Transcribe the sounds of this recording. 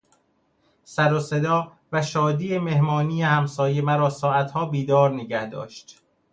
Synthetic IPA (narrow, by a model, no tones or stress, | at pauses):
sæɾose̞d̪ɒː | væʃɒːd̪iːemehmɒːniːehæmsɒːjemæɾɒːsɒːʔæt̪ʰhɒːbiːd̪ɒːɾneɟæhd̪ɒ̰ːʃt̪